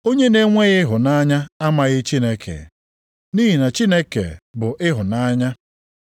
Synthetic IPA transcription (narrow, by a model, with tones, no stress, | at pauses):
o˦ɲe˦ne˦ŋʷe˦ɣɪ˦ɦʊ˨na˦ɲa˦a˦ma˨ɣɪ˦t͡ʃi˦ne˦kʰḛ˨ | ni˦ɦi˨na˨t͡ʃi˦ne˦kḛ˨bʊ˨ʔɪ˦ɦʊ˨na˦ɲa˦